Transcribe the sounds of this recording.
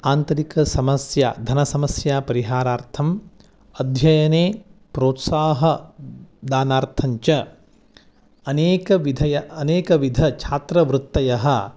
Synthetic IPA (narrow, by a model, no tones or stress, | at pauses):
aːnt̪ɐɾikɐsɐmɐsja̰ːd̪ʱɐnɐsɐmɐsjaːpɐɾiɦaːɾaːɾt̪ʰɐm | ɐd̪ʱjɐjɐneːpɾoːt̪saːɦɐ | d̪aːnaːɾt̪ʰɐɲt͡ʃɐ | ɐneːkɐʋid̪ʱɐjɐɐneːkɐʋid̪ʱɐt͡ʃʰaːt̪ɾɐʋɾut̪ːɐjɐɦɐ̆